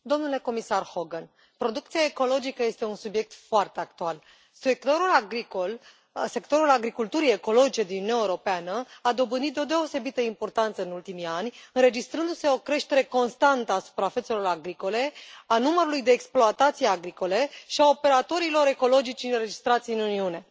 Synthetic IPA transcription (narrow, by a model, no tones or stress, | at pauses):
d̪o̞mnule̞ko̞misarho̞ɡən | pɾo̞d̪uk̚t̪siaeko̞lo̞d͡ʒikəje̞st̪e̞unsubje̞k̚t̪foart̪e̞ak̚t̪ual | sekt̪oɾulaɡɾikol | se̞kt̪o̞ɾulaɡɾikult̪uɾie̞ko̞lo̞d͡ʒit͡ʃed̪inununaeuɾo̞peanəad̪o̞bɨnit̪̚d̪eo̞d̪e̞o̞se̞bit̪əimpo̞rt̪ant̪səɨnult̪imianʲɨnɾe̞d͡ʒist̪ɾɨnd̪use̞o̞kɾe̞ʃt̪e̞ɾe̞ko̞nst̪ant̪əasu̥pɾafese̞lo̞ɾaɡɾiko̞le̞anuməɾulujd̪e̞ːksploat̪at̪sijaɡɾiko̞le̞ʃiao̞pe̞ɾat̪o̞ɾilo̞ɾe̞ko̞lo̞d͡ʒit͡ʃiɨnɾe̞d͡ʒist̪ɾat̪sijɨnuniune̞